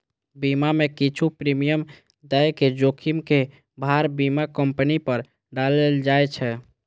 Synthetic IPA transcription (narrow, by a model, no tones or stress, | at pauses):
bimamekit͡ʃʰupɾimijəm | d̪əjked͡ʒokʰimke | bʱaɾbimakəmpənipəɾ | ɖaleld͡ʒajt͡ʃʰɛ